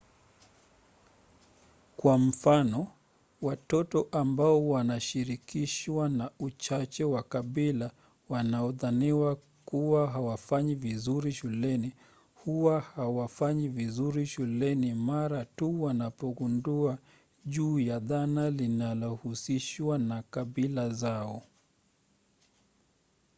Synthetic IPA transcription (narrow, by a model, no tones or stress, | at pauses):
kwam̩fanɔ | watɔtɔʔambaɔwanaʃiɾikiʃwanaut͡ʃat͡ʃɛwakaɓila | wanaɔðaniwa | kuwaɦawafaɲivizuɾiʃulɛni | huwahawafaɲivizuɾiʃulɛnimaɾatuwanapɔɡundua | ʄuːjaðanalinalɔhusiʃwanakaɓilazaɔ